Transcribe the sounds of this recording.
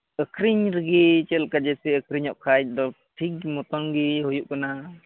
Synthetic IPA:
əkʰɾiɲɾɡit͡ʃɛlkad͡ʒɛsɛəkʰɾiɲɔʔ̚kʰaj̚d̪ɔ | ʈʰik̚mɔt̪ɔŋɡiɦujuʔ̚kana

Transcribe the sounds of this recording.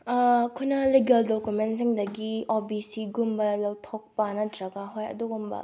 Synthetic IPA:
kʰunɐliɡɐldokjumentsiŋdɐɡiobisiɡumbɐlɐwtʰok̚pɐnɐdɾɐɡaɦojɐ̰duɡumbɐ̰

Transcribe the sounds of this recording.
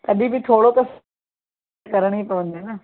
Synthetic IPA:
t̪ɐɗĩbɪt̪ʰoːɽot̪ɐs | kɐɾəɽ̃ipɐʋə̃n̆d̪onɐ

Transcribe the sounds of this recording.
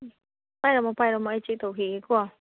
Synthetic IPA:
pajɾomãpajɾomãit͡ʃit̪oxikua

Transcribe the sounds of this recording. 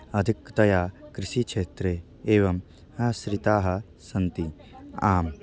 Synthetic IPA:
ɐd̪ʱikt̪ɐjaːkɾɪʃiːkʃeːt̪ɾeː | eːʋɐm | ɐsɾɪt̪aːɦɐ̆ | sɐnt̪i | aːm

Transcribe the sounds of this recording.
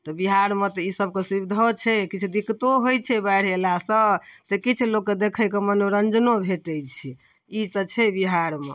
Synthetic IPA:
t̪ɔbiɦaɾmet̪ɔisəb̚ʱkesibid̪ʱot͡ʃʰɛkit͡ʃʰud̪ikt̪oɦojt͡ʃʰɛbaɽ̤elasət̪ekit͡ʃʰulokːed̪ekʰəjkemənoɾənd͡ʒnobʱeʈɛt͡ʃʰi | it̪ət͡ʃʰɛbiɦaɾme

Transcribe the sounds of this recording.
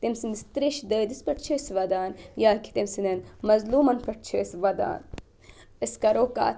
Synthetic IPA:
t̪emsinist̪ɾeʃd̪əːd̪ispɐʈ̚t͡ʃʰiisʋɐd̪aːnjaːkʰi̥t̪emsinɐnmɐzluːmɐnpɐʈ̚ʰt͡ʃʰɐsʋɐd̪a̰ːn | iskɐɾoːka̰ː

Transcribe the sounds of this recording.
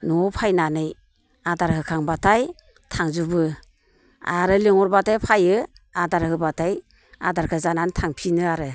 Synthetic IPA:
nɔpʰajnanɯj | adaɾhɯkʰaŋbatʰaj | tʰaŋzubɯ | aɾɯliŋɔɾbatajpʰajɯ | adaɾhɯbatʰaj | a̰daɾkʰɯzanantʰaŋpʰinɯaɾɯ

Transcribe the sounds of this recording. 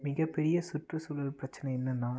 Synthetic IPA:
mɪɣɐpːɛɾɪjɐsʊʈrɯsɔlːɯpɾɐt͡ʃːɐnɐɛnːɐnːaː

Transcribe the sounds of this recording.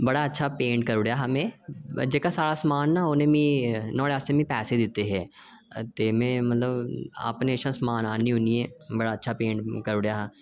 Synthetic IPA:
bəɽaːətːʃʰaːpẽːɳʈkəɾʊɽɪjaːɦaːmɛ̃ːd͡ʒeːkaːsaːɽaːsəmaːnːaːoːnẽːmĩːnɔ̃ːɽeaːst̪eːmĩːpɛːseːd̪ɪt̪ːeːɦɛː | t̪eːmɛ̃ːmət̪ləba̰ːpneːʃãːsəmaːnaːniːɦʊniːɛːbəɽaːətːʃʰaːpẽːɳʈkəɾʊɽjaːɦaː

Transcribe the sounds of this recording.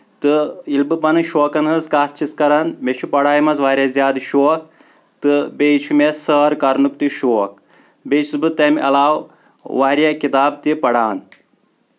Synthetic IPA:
t̪ɨilbɨpɐnɨʃoːkɐnɦɨzkaːt̪̚t͡ʃʰiskɐɾɐnmet͡ʃʰupɐɽaːjimɐzʋaːɾʲjazjaːd̪ʃoːk̚ | t̪ɨbet͡ʃʰumesəːɾkɐɾnɨp̚t̪iʃoːk | beːt͡ʃʰizbɨt̪ɐmʔɐ̰laːw | ʋaːɾʲjakit̪aːb̚t̪ipɐɽaːn

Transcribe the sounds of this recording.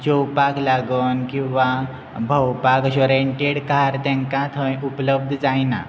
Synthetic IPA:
t͡ɕowpaklaɡənkĩw̃ʋa | bʱəwpakɕɔɾeɳʈeɽkaɾt̪ɛ̃ŋkãt̪ʰə̃jupləb̚d̪ʱd͡zajna̰

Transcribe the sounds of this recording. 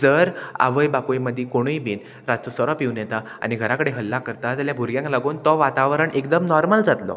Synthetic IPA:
d͡zəɾa̰ʋəjbakueməd̪ʱːikoɽ̃uibiːn | ɾat͡sɔsəɾɔpiʋnjɛt̪aa̰ñiɡʱəɾakəɽeɦəlːakəɾt̪ad͡zaljabʱuɾɡjãŋklaɡuːnt̪ɔʋat̪aʋəɾəɳʔek̚d̪əmnɔɾməld͡zat̪lɔ̰

